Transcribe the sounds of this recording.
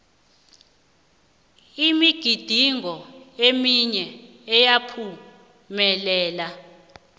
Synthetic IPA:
imiɡ̥ʱid̥ʱiŋɔemiɲɛː | japʰu | mɛlɛːla

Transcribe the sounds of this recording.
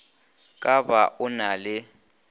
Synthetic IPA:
kʼabaʔʊnalɪ

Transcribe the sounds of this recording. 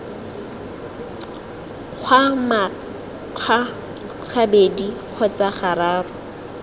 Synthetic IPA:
q͡χʰwama | kʰa | χabediq͡χʰɔt͡saχaɾaːrʊ

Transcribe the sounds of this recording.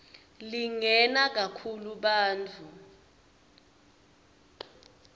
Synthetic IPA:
liŋɛnak̬akʰuluɓaːnt͡fʰu

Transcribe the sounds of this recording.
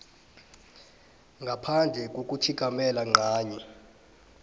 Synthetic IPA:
ŋɡʱapʰand͡ɮʱɛk̬ʼok̬ʼutʰik̬ʼamɛlaŋ͡ǃaːɲɛ

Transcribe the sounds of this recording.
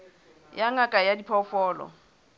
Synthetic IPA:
jaŋakʼajadipʰɔfɔːlɔ̰

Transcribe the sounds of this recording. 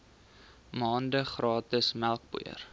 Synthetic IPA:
mɑːndəχrɑːtəsmælˠk̚bṵə̰r

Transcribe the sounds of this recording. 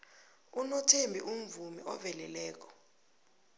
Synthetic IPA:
unɔtʰembʱiʔum̩vumiʔɔvɛlɛlɛːk̬ɔ̥

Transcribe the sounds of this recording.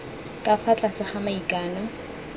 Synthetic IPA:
kʼafʰat͡ɬʼasɪχamaikʼaːnɔ

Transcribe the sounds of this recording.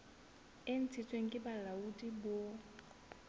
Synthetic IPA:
ɪn̩t͡sʰit͡sʰʼweŋ̩kʼɪbalaudʼibo

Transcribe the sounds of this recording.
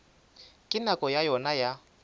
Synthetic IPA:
kʼɪnakʼɔjajɔnaja

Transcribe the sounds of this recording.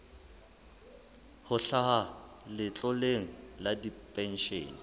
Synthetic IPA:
hʊɬaha | lɪt͡ɬʼɔleŋ̩ladipʼɛn̩ʃḛːni

